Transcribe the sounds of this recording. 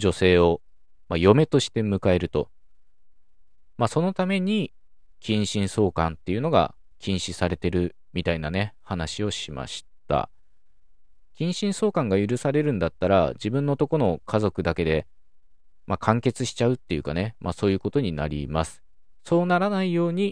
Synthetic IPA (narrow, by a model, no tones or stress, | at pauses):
d͡ʑo̞se̞ːo̞ | majo̞me̞t̪o̞ɕi̥t̪e̞mɯ̟kae̞ɾɯ̟t̪o̞ | maso̞no̞t̪ame̞ɲ̟i | kʲʰĩɰ̃ɕĩɰ̃so̞ːkãnt̪ːe̞jɯ̟no̞ɡa̰ | kʲʰĩɰ̃ɕisaɾe̞t̪e̞ɾɯ̟ | mʲit̪ainane̞hanaɕio̞ɕima̰ɕi̥t̪a̰ | kʲĩɰ̃ɕĩɰ̃so̞ːkãŋɡajɯ̟ɾɯ̟saɾe̞ɾɯ̟̃nd̪at̪ːaɾa̰d͡ʑibɯ̟̃nːot̪o̞ko̞no̞kʰazo̞kɯ̟d̪ake̞d̪e̞ | makʰãŋke̞t͡sɨɕi̥t͡ɕaɯt̪ːe̞jɯ̟kane̞mʔaso̞ːjɯ̟ːko̞t̪o̞ɲ̟ina̰ɾʲḭmasɨ̥ | so̞ːnaɾanaijo̞ːɲ̟i